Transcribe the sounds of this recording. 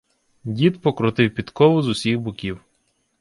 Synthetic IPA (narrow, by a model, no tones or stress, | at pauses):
dʲit̪pɔkɾʊt̪ɪwpʲit̪kɔʋʊzʊsʲixbʊkʲiw